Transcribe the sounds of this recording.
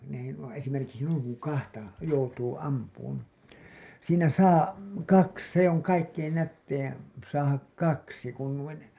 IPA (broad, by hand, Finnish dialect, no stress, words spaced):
n ei nuo esimerkiksi nuiŋ kuŋ kɑhtɑ joutuː ɑmpuːn siːnæ sɑː kɑks se oŋ kɑikːein nætːein sɑːhɑk kɑksi kun nuin